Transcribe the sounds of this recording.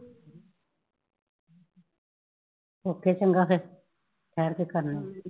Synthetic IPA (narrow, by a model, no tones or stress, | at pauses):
oːkːet͡ʃəŋɡake | ʈ̪ʰɛːɾkekəɾne